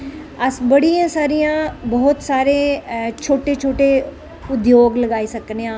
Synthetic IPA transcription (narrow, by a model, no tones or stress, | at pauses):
əsbəɽijãːsaːɾijãːbɔːt̪saːɾeːt͡ʃʰoːʈeːt͡ʃʰoːʈeː | ʊd̪joːɡləɡaːiːsəkneːãː